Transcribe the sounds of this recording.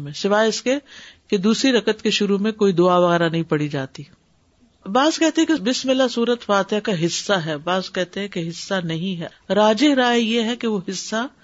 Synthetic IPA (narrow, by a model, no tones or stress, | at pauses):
mẽsɪʋaːɪskeked̪uːsɾiɾɐkət̪keʃʊɾumẽkoːid̪ʊaʋɐɣɛːɾanɐɦĩpɐɽid͡ʒaːt̪i | baːzkɛɦt̪eɦɛ̃kebɪsmɪlasuːɾət̪faːt̪ɪjakaɦɪsːaɦɛːbaːzkɛɦt̪eɦɛ̃keɦɪsːanɐɦĩɦɛ | ɾaːd͡ʒɪɦɾaːjeɦɛkeʋoɦɪsːa